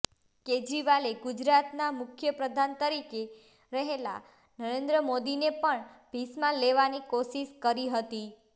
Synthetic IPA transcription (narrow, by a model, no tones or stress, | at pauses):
ked͡ʒɾiʋaleɡud͡ʒɾat̪namʊkʰjəpɾəd̪ʱant̪əɾike | ɾəɦela̰ | nəɾend̪ɾəmod̪inepəɳb̥ʱismãleʋanikoʃiʃkəɾiɦət̪i